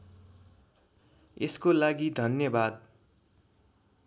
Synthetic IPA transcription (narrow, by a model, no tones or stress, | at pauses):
eskolaɡid̪ʱʌnjʌbad̪̚